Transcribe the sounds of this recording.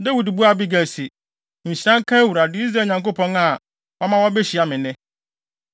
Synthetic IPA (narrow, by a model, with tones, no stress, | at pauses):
da˦wi˨dbu˦a˦bi˦ɡæ˨lsi˨ | ɲ̩˨ɕi˦ã˦ŋ˦kʰã˦wu˨ɾa˨dɪ˦i˦s̬ɾa˨ɲã˨ŋko˦pʰɔ̃˦na˨ | wɔ˦mã˦wɔ˦bɛ˦ɕi˨a˨mɪ̃˨nɪ̃˦